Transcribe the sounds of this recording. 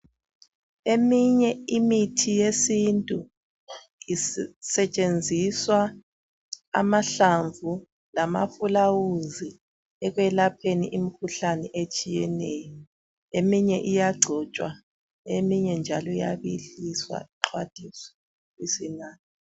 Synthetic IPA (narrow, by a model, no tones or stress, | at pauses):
emiɲɛimitʰijesintʼu | isɛt͡ʃʼend͡zʱiswa | a̰maɬaɱvʱu | lama̰fulawuzi | ɛɣwɛlapʰenḭʔimikʰuɬanɛʔet͡ʃʼijɛnɛːjɔ | emiɲɛʔijaɡ͡ǀʱɔt͡ʃʼwa̰ | emiɲɛnd͡ʒʱalɔija̰βiɬiswa̰iǁʰwad̥ʱiswḁ | isinaːni